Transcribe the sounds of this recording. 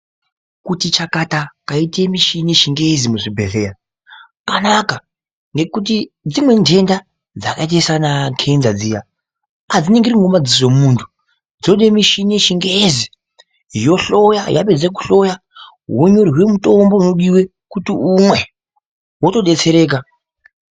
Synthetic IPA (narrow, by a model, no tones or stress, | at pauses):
kutit͡ʃakatakaitemiʃinieʃiŋɡezimuʐibʱeɬe̞ja | kanaka | ŋɡe̞kut̬i | d͡zimwe̞nde̞nda | d͡zakait̬aisanakʰenzad͡zija | ad͡zine̞ŋɡiriŋɡomad͡ziʐo̞mmuːntʰu̥ | d͡zoɗemiʃineʃiŋɡezi | jo̞ɬo̞jaja̰ped͡zek̬u̥ɬo̞ja | woɲo̞riwe̞muto̞mbo̞uno̞ɗiwe̞ | kutiumwe̞ | woto̞ɗe̞t͡se̞ɾe̞ːk̬a